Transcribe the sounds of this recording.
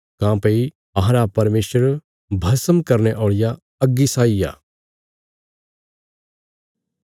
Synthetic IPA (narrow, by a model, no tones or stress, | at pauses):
kãːpɐi | ɐɦɾapɐɾmeːsəɾ | bʱɐsəmkɐɾnɛʔoːɭɪja | ɐɡːisaːija̰ː